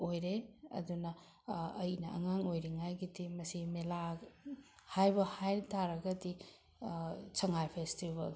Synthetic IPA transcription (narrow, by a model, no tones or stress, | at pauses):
ojɾeɐ̰dunɐ | ɐjnɐɐ̰ŋaŋojɾiŋajɡidimɐsimela | hajbɐhajtaɾɐɡɐdi | t͡ʃɐŋajpʰestibɐ̰l